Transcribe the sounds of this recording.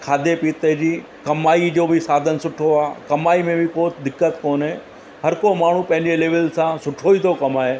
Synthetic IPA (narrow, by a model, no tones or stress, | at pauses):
kʰaːd̪epiːt̪əd͡ʑiː | kɐmaːid͡ʑoːbɪsaːd̪ʱənsʊʈʰoaːkɐmaːimẽbʱɪkoːt̪ʰɪd̪ɪkːət̪koːnɦẽ | hɐɾkomaːɳ̤ũpɐ̃ɦɪ̃ɲd͡ʑeleːʋəlsãsʊʈʰoit̪ʰokɐmaːeː